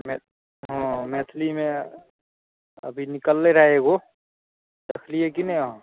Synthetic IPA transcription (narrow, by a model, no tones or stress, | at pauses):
me | ɦɔ̃meːt̪ʰlimẽ | ə̰bʱinɪkəlːeɾəɦeɡo | d̪əkʰlijekinəiaɦ